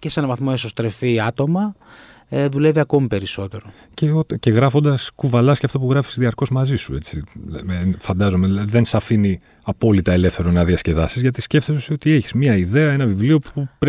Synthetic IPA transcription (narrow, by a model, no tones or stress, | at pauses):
cese̞nɐvɐθmo̞esost̪ɾe̞fiɐt̪o̞mɐ | ðule̞viɐko̞mipe̞ɾiso̞t̪e̞ɾo | ceot̪ce̞ɣɾɐfo̞nd̪ɐskuvɐlɐsceɐft̪opuɣɾɐfi̥zðiɐɾko̞zmɐzisue̞t͡si | fɐnd̪ɐzo̞meðlɐiðe̞nsɐfini | ɐpo̞lit̪ɐe̞le̞fθe̞ɾo̞nɐðiɐsce̞ðɐsizʝɐt̪isce̞ft̪esosiot̪ieçi̥zmɲɐiðe̞ɐe̞nɐvivlio̞pupɾ